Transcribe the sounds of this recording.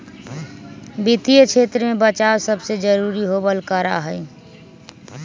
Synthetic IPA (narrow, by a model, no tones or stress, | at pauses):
bit̪ijət͡ʃʰeːt̪ɾəmẽbət͡ʃawsəbsed͡ʒəɾuːɾiɦobəlkəɾa̰ɦɛ